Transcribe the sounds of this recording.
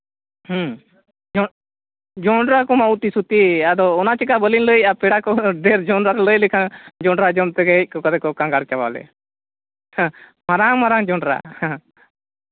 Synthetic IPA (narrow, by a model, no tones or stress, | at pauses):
h | d͡ʒɔ | d͡ʒɔɳɖɾakɔmaut̪isut̪iad̪ɔːnat͡ʃikabəlinləjapɛɽakɔɖɛɾd͡ʒɔɳɾaɾɛləjlɛkʰaŋd͡ʒɔɳɖɾad͡ʒɔmt̪ɛɡɛɛc̚ˀkɔkaɾɛkɔkaŋɡaɽt͡ʃaba̰lɛ̰ | maɾaŋmaɾaŋd͡ʒɔɳɖɾa̰h